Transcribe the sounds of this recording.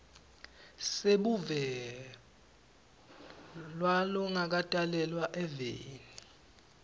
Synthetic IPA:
seɓuvɛ | lwalɔŋak̬atʼalɛlwaʔɛveːni

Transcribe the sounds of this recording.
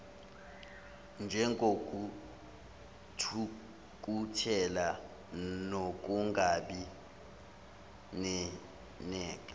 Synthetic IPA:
nd͡ʒʱɛŋɡʱokʼu | tʰu | k̬ʼutʰɛla | nok̬ʼuŋɡʱaɓi | nɛ | nɛːk̬ʼa

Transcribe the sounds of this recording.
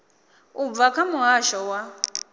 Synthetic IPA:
ub̪vakʰamuɦaʃɔwa

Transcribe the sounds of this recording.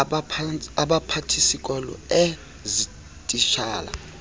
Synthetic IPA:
aɓapʰatʰisik̬ʼɔlɔ̰ɛ | zi | tʼiʃa̰ːla̰

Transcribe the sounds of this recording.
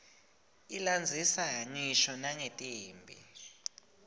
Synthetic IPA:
iland͡zʱisaɲiʃɔnaŋetʼiːmbʱḭ

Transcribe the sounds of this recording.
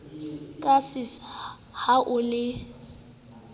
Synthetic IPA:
kʼasɪs | haʔʊlɪ

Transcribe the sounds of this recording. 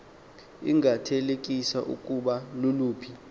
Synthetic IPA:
ḭŋʱatʰelek̬ʼisaʔṵkʼuɓaluluːpʰi

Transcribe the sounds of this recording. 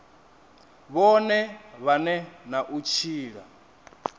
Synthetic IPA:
βɔnɛβanɛnaʔut͡ʃʰiːɺa̰

